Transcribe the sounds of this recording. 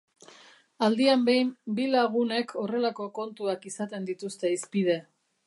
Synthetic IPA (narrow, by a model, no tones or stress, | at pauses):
ald̪iambe̞jmbilaɣune̞kʰo̞re̞lako̞ko̞nt̪uakisat̪e̞nd̪it̪ust̪e̞ispið̞e̞